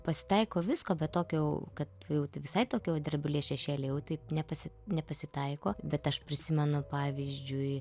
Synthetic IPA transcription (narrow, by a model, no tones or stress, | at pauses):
pɐsʲɪ̥t̪ɐɪkoːʋʲɪskoːbʲɛt̪t̪oːkʲoːjʊkɐt̪ʋɐjɛʊt̪ɐɪʋʲɪsɐɪt̪oːkʲːod̪ʲɐrʲbʲɪlʲiɛsʃʲɛʃʲeːlʲejɛʊt̪ɐɪnʲɛpɐsʲɪnʲɛpɐsʲɪt̪ɐɪkoːbʲɛt̪ɐʃpʲɾʲɪsʲɪmʲɛnʊpɑːʋʲiːzʲd͡ʒʲʊɪ